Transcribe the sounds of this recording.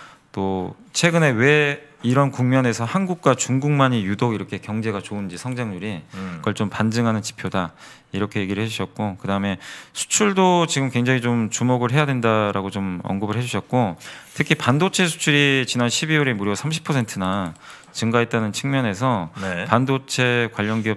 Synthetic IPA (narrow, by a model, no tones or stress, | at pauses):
t͈ot͡ɕʰwe̞ɡɯne̞we̞iɾʌnkuŋmjʌne̞sʰʌhanɡuk̚k͈wat͡ɕuŋɡuŋmaɲijudoɡiɾʌkʰe̞kjʌŋd͡ʑe̞ɡat͡ɕound͡ʑisʰʌŋd͡ʑaŋɲuɾikʌɭt͡ɕ͈ompand͡ʑɯŋɦanɯnt͡ɕi̥pʰjoda | iɾʌkʰe̞je̞ɡiɾɯɭhed͡ʑuɕʰʌt̚k͈okɯdaɯme̞sʰu̥t͡ɕʰuɭdot͡ɕiɡɯmkwe̞ŋd͡ʑaŋit͡ɕomt͡ɕumoɡɯɭɦe̞jadwe̞ndaɾaɡot͡ɕomʌ̰nɡɯbɯɭɦe̞d͡ʑuɕʰʌt̚k͈otʰɯkʰipandot͡ɕʰe̞sʰu̥t͡ɕʰuɾit͡ɕinanɕʰibiuɾemuɾjosʰamɕʰi̥pʰʌsʰe̞ntʰɯna | t͡ɕɯŋɡaet̚t͈anɯnt͡ɕʰɯŋmjʌne̞s̬ʰʌnepandot͡ɕʰe̞kwaʎːʌnɡiʌ